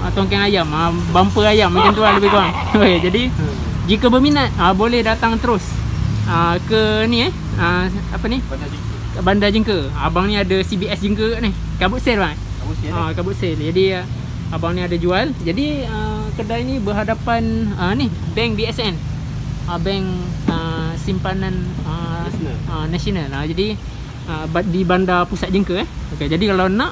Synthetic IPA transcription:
ət̪ɔŋk̬ɛŋajamə | bampəajamːəŋkɪnt̪uanləbɪhkəwaŋ | oked͡ʒadi | d͡ʒikabəminat̪̚əbolɛhdat̪aŋt̪əɾʊsəkəniɛh | əapəni | bandad͡ʒəŋkəabaŋnĩadasibiɛsd͡ʒəŋkənih | kabʊʔ̪sɛlbaŋa | akabʊʔ̪̚sɛld͡ʒadi | abaŋniadad͡ʒuald͡ʒadi | ə | kərdainibəɦadapanənihbɛŋbiɛsɛn | abɛŋəsimpananə | ənasionalad͡ʒadi | əbadibandapusat̪̚d͡ʒəŋkəɛhoked͡ʒadikalanãʔ

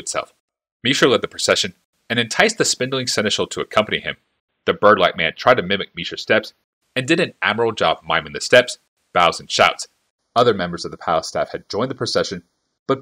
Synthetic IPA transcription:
ɨtsɛ̰lˠf | miʃə˞lɛd̪̚ðɨpʰɹ̥ɨsɛʃɨ̃n | ɨ̃ñɨ̃ntʰaɪsðɨspɪ̃ndˡl̩ˠɪ̃ŋsɛñɨʃl̩ˠtʰəɨkʰʌ̃mpɨniɪ̰̃m | ðɨbɜ˞dˡlaɪk̚mæ̃ntʰɹ̥aɪd̚tʰɨmɪ̃mɨk̚miʃə˞stɛps | ɨ̃ndɨɾɨ̃næ̰mə˞l̩ˠd͡ʒɑ̰b̚mã̰ɪ̃mɨ̃ŋðɨstɛps | b̥aʊz̃n̩ʃaʊts | ʌðə˞mɛ̃mbə˞zʌvðəpʰæ̰lˠəstæ̰fhɨd̚d͡ʒɔ̃ɪ̃nðəpʰɹ̥ɨsɛʃɨ̃n | b̥ʌt̚

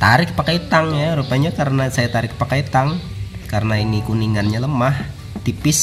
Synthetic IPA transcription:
t̪aɾɪk̚pakait̪aŋjaɾupaɲakaɾənasajat̪aɾɪk̚pakait̪aŋ | kaɾənainikuniŋanɲələmah | t̪ipɪs

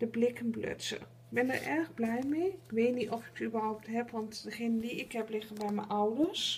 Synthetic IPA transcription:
d̥əblɪkənblø̰tsə̰ | k̚bɪndə̰ɹʔɛrɣblɛjmeɪkʋeːtnitɔfɪ̥k̚ybərɦawp̚tɦɛpʋɑntdəxenəndiɪkɦɛplɪɣənbɛjmɛ̰nʔawdəs

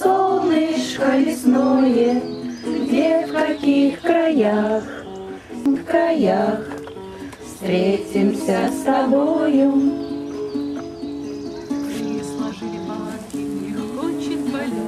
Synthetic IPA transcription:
solˠnɨʂkəlʲɪsnojɛɡdʲefkɐkʲixkɾajax | vkɾajax | fst̪ɾʲetʲɪmsʲəst̪ɐbojʊ

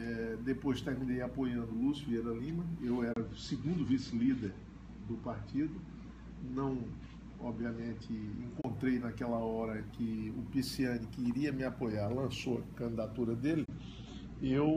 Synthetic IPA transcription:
ɛd̪epojzt̪eɾmĩnejapojɐ̃nd̪ʊlusvieɾɐlĩmɐewɛɾɐsɪɡũnd̪ʊvisɪlid̪eɾ | d̪ʊpaɾt̪id̪ʊ | nɐ̃w̃ | ɔbviɐmẽt̪ɪḛ̃kõnt̪ɾejnakɛlɐɔɾɐkɪʊpisiɐ̃nɪkɪiɾiɐmɪapojaɾlɐ̃soɐkɐ̃nd̪id̪at̪uɾɐd̪elɪ | ew

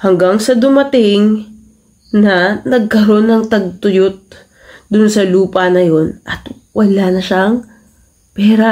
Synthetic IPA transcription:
hɐŋɡaŋsɐd̪ʊmɐt̪ɪŋ | nɐnɐɡ̚kɐɾo̞nːɐŋt̪ɐɡ̚t̪ʊjot̪̚ | d̪ʊnsɐluːpɐnɐjo̞nʔɐt̪ | wʔɐlanɐʃaŋ | pɛːɾɐ

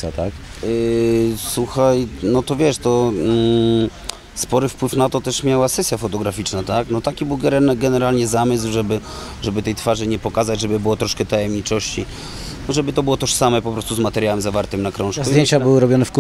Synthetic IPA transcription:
at̪ak | suxajnɔt̪ɔvʲjɛʂt̪ɔ | spɔɾɘfpwɘfnat̪ɔt̪ɛʂmʲjawasɛsʲjafɔt̪ɔɡɾafʲit͡ʂnat̪aknɔt̪akʲibɘwɡɛɾɡɛnɛɾalɲɛzamɘswʐɛbɘ | ʐɛbɘt̪ɛjt̪faʐɘɲɛpɔkazad͡ʑʐɛbɘbɘwɔt̪ɾɔʂkɛt̪ajɛmɲit͡ʂɔɕt͡ɕi | nɔʐɛbɘt̪ɔbɘwɔt̪ɔʂsamɛpɔpɾɔst̪uzmat̪ɛɾjawɛmzavaɾt̪ɘmnakɾɔ̃w̃ʂkzdujeɲt͡ɕabɘwɘɾɔbʲjɔnɛfk

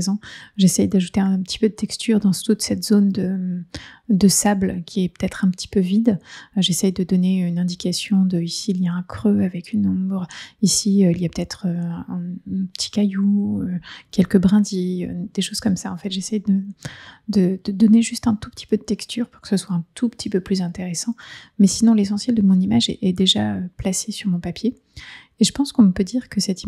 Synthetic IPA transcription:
zɑ̃ʒesɛjd̪aʒut̪eɛ̃pət̪i̥pød̪ət̪ɛkst̪ʰyʁd̪ɑ̃st̪ut̪sɛt̪z̥ond̪ə | d̪əsablkʲʰiɛpø̥t̪ɛt̪χɛ̃pət̪ʰi̥pøvid̪ʒesɛjd̪əd̪ɔneynɛ̃d̪ikasjɔ̃d̪əisiljɛ̃kχøavɛkynɔ̃bʁisiøiljapə̥t̪ɛt̪χøɛ̃pə̥t̪ʰi̥kʲajuøkʲɛlkəbʁɛ̃d̪iø̰d̪̥eʃoz̥kɔmsaɑ̃fɛt̪ʒesɛjd̪ə | d̪əd̪̥əd̪ɔneʒyst̪ɛ̃t̪u̥pə̥t̪ʰi̥pød̪ət̪ɛkst̪ʰyʁpuʁkə̥səswaɛ̃t̪ʰupə̥t̪ʰipøplyzɛ̃t̪eʁesɑ̃mɛsinɔ̃lesɑ̃sjɛld̪əmɔ̃nimaʒɛ̰ʔɛd̪eʒaøplasesyʁmɔ̃papjeː | ʒəpɑ̃skɔ̃pød̪iʁkəsɛt̪i

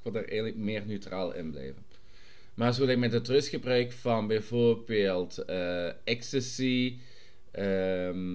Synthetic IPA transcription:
ɪkʋɪlˠdarɛ̰jɣənləkmɪːrnøɥtraːlˠɪ̰nblɛ̰jvən | maːrzoːlɛk̚mɛdətrɵstxəbrœɥkfɑnbɛjvoːrbeːlˠtəɛkstəsi | əm

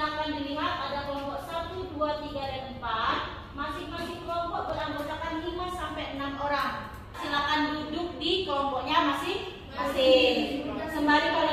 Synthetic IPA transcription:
ampaŋdiliɦat̪̚adaklɔmpɔʔsat̪uduat̪iɡaɾɛnmpat̪̚ | masɪhmasɪhklɔmpɔʔbəlaŋbasakanlimasampɛjənamoɾaŋ | asiɦakandudʊk̚diklɔmpɔʔɲamasɪh | masɪ | səmbaɾikal

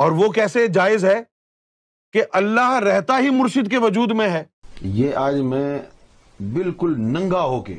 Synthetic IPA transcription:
ɔːɾʋokɛːsed͡ʒaːɪzɦɛː | keʔɐlːaɦɾɛɦt̪aɦimʊɾʃɪd̪keʋɐd͡ʒuːd̪mẽɦɛː | jeːʔaːd͡ʒmẽ | bɪlkʊlnɐ̃ŋɡaɦoːkḛː

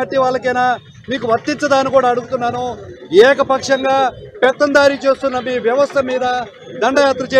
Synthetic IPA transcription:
ɐʈːiʋaːɭːɐkɐjnaː | miːkuʋɐɾt̪ːiɲt͡sɐd̪aːnikuːɽaːɐɽuɡut̪unːaːnuɛːkɐpɐkʂɐŋɡaːpɛt̪ːɐnd̪aːɾit͡ʃeːst̪unːɐmiːʋjɐʋɐst̪ʰɐmiːd̪ɐ | d̪ɐɳɖɐjaːt̪ɾɐt͡ʃeː

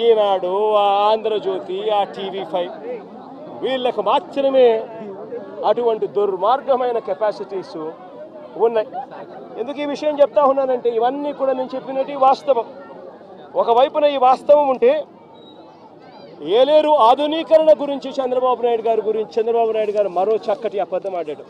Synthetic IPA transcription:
iːnaːɽuaːaːnd̪ɾɐd͡ʒoːt̪iaːʈiːʋipʰɐj | ʋiːɭːɐkumaːt͡ʃːɐɾɐme̞ː | ɐʈuʋɐɳʈid̪uɾmaːɾɡɐmɐjnɐkɐpaːsiʈiːs | unːajend̪ukuiːʋiʂɐjɐmt͡ʃɛp̚t̪aːɦunːaːɾɐɳʈe̞ːiʋɐnːiːkuːɽaːnenut͡ʃe̞pːinɐʈiʋaːst̪ɐʋɐm | ɔkɐʋɐjpunɐiːʋaːst̪ɐʋɐmuɳʈe̞ː | eːle̞ːɾuaːd̪ʱuniːkɐɾɐɳɐɡuɾiɲt͡ʃit͡ʃɛnd̪ɾɐbaːbunaːjɽuɡaːɾuɡuɾiɲt͡ʃi̥t͡ʃɛnd̪ɾɐbaːbunaːjɽuɡaːɾumɐɾo̞ːt͡ʃɐkːɐʈiɐpɐd̪ːɐmaːɖaːɽɐ

